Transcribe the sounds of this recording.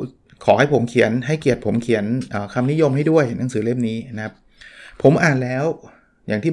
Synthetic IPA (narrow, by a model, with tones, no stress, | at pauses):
kʰɔː˩˦ha˥˩jpʰo˩˦mkʰi˨˩˦ənɦa˥˩jki˨˩ət̪̚pʰo˩˦mkʰi˩˦ənʔəː˨˩kʰa˧mni˦˥jo˧mha˥˩jdu˥˩əjna˩˦ŋsɯː˩˦le˥˩mniː˦˥na˥kʰa˦˥p | pʰːo˩˦mʔaː˨˩nlɛː˦˥w | jaː˨˩ŋt̪ʰiː˥˩